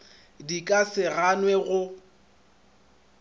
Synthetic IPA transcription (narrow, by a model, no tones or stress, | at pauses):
dikʼasɪɣanwɛɣʊ